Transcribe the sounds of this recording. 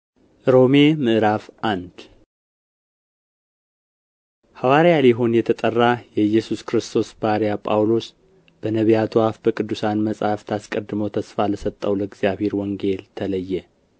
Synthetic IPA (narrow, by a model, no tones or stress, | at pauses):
ɾo̞memɨʔɨɾafʔand̪ | hawaɾjaliɦo̞njɛt̪ʰət̪ʼərːajɛjːɛsuskɾɨst̪ʰo̞sbaɾijapʼawlo̞s | b̥ənəβijat̪ʰwafbəkʼɨd̪ːusanməsʼhaft̪ʰaskʼəd̪ɨməwt̪ʰəsfaləsət̪ʼːəwləɡzjaβhe̞ɾwɔŋɡe̞lt̪ʰələjːɛ